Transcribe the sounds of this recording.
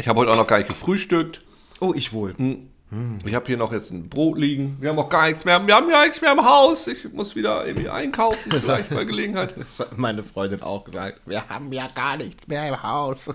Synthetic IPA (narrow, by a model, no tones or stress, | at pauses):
ʔɪçhabəhɔtaʊnɔχɡaɐnɪçɡ̥əfʁ̥yːʃtʏk̚t | ʔoːɪçv̥oːl̩ | ɪçhaːbəhiːɐnɔχjɛt͡sn̩bʁoːtliːɡŋ̩viɐhaːmnaʊxɡ̥aːɐnɪçt͡smeːɐhaːmviːhaːbm̩jaːɪçt͡smeːɐɪmɦaʊsɪçmʊsv̥iːdɐʔɪ̰ɐɡŋ̩tv̥ḭːʔa̰ɪnkʰaʊfn̩fɪlaɪçtaɪɡəleːɡŋ̩haɪtmaɪnəfʁ̥ɔʏndɪna̰ʊxɡ̥əza̰ːk̚tviːɐha̰ːbm̩jaːɡ̥aːɐnɪçt͡smeːɐɪmhaʊs